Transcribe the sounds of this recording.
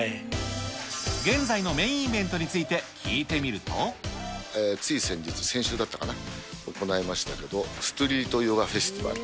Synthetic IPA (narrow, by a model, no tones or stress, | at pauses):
ɡẽ̞nd͡zaino̞mẽ̞ĩːbẽ̞nt̪o̞ɲ̟it͡sɨit̪e̞kʲʰiːt̪e̞mʲiɾɯ̟t̪o̞̰ | eːt͡sɨisẽ̞ɲ̟d͡ʑit͡sɨ̥sẽ̞ɰ̃ɕɨːd̪at̪ːakanaoko̞naimaɕi̥t̪ake̞d̪o̞sɨ̥t̪oɾʲiːt̪o̞joːɡaɸe̞sɨ̥t̪ʲiba̰ɾɯ̟